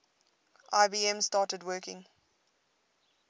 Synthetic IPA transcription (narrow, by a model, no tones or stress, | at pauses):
ʔaɪbiːɛ̃mstɑːˑtədwɜːˑkɪ̃ŋ